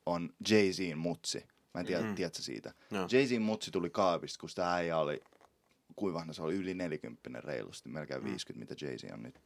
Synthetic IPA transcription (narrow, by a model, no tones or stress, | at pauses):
ond͡ʒeisiːnmut̪sḭ | mæːt̪iæt̪iæt̪sesḭːt̪æd͡ʒeisiːmmut̪sit̪ulikɑˑːpist̪kusi̥t̪ææijæolḭ | kuiʋɑhnɑseoliylineljækympːinḛrrḛilṵst̪imelkḛːʋʋḭːskyt̪mḭt̪æd͡ʒḛisḭːo̰nnyt̪